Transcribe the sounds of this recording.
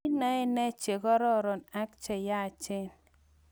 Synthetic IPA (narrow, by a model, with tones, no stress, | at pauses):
na˦ɛ˦nɛ˦t͡ʃe˨ɡɔ˦ɾɔ˦˨ɾɔ˨na˦k̚t͡ʃɛ˨ja˦˨t͡ʃɪ˦n